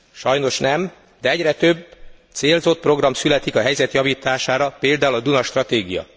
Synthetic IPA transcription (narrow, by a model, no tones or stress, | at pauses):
ʃɒjno̞ʃnɛm | d̪ɛɛɟrɛt̪øbːt̪seːlzo̞t̪̚pro̞ɡrɒmsylɛt̪ikɒɦɛjzɛt̪jɒviːt̪aːʃaːɾɒpeːld̪aːulɒd̪unɒʃt̪rɒt̪eːɡijɒ̰